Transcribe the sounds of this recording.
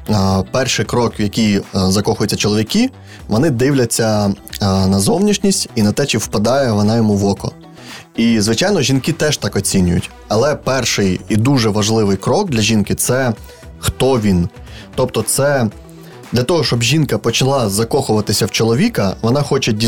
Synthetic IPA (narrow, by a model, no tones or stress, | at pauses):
pɛrʃɪjkɾɔkʋjɐkʲijzɐkɔxʊjʊt͡sʲːɐt͡ʃɔlˠɔʋʲikʲi | ʋɔnɪd̪ɪwlʲɐt͡sʲːɐ | nɐzɔwnʲiʃnʲisʲtʲinɐt̪ɛt͡ʃɪwpɐd̪ɑjɛʋɔnɑjɔmuʋɔkɔ̰ | izʋɪt͡ʃɑjnɔʒʲinkit̪ɛʃt̪ɑkɔt͡sʲinʲʊjʊ̰tʲ | ɐlˠɛpɛrʃɪjid̪uʒɛʋɐʒlˠɪʋɪjkɾɔɡ̚d̪lʲɐʒʲinkɪt̪sɛ | xt̪ɔʋʲin | t̪ɔpt̪ɔt̪sɛ | d̪lʲɐt̪ɔɦɔʃt͡ʃɔbʒʲinkɐpɔt͡ʃɐlˠɑzɐkɔxʊʋɐt̪ɪsʲɐwt͡ʃɔlˠɔʋʲikɐʋɔnɑxɔt͡ʃɛdʲi